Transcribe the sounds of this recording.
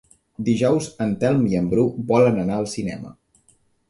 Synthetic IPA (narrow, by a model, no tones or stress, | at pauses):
d̪iʒɔwzənt̪ɛlˠmiəmbɾubɔlənənaəlˠsinɛmə̰